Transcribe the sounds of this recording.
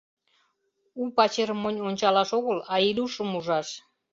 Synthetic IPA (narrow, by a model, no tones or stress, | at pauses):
upɑt͡ɕermonʲonʲt͡ɕɑlɑʃoɣəlɑilʲuʃəmuʒɑʃ